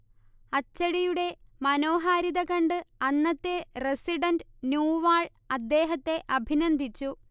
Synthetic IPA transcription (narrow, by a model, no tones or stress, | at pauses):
ɐt͡ɕːɐɽijuɽe̞mɐno̞ːɦaːɾiðɐkɐɳɖɨɐnːɐt̪ːeresiɖɐndɨnjuːʋaːɭ | ɐd̪ːe̞ːɦɐt̪ːe̞ʔɐbʱinɐnd̪ʱit͡ɕːu